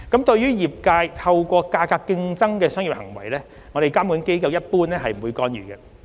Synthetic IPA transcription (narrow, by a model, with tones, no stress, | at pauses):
kɐ˨˥mt̪ɵ˧ɥjyː˥jiː˨p̚kaː˧jt̪ʰɐ˧wkʷɔː˧kaː˧kaː˧kːɪ˧ŋt͡sɐ˥ŋkɛː˧sœː˥ŋjiː˨p̚hɐ̰˨˩ŋwɐ̰˨˩jlɛː˥ | ŋɔ˨˧ɾe˨jkaː˥mkuː˨˥nke˥jkɐ˧wjɐ˥t̚puː˥nɛː˥ɦɐ˨jm̩˨˩wu˨˧jkɔː˧njyː˨˩kɡɛ˧